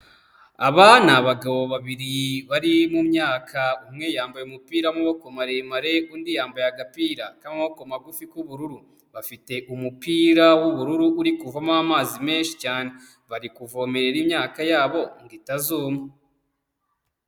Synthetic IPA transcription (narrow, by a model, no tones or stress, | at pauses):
aβanaβaɡaβo̞βaβiɾiβaɾimumɲaːkʰaumŋejaːmbajumupiːɾamuβoko̞maɾemaɾe̞undijaːmbajaɡapiːɾakaːmmaβoko̞maɡufikuβuɾuɾu | βafite̞ʔumupiːɾawuβuɾuɾuːɾikuvamaamaːzime̞ːnʃi̥caːne | βaɾikuvo̞ːmeɾe̞ɾimɲaːkajaːβo̞ŋɡitazuːme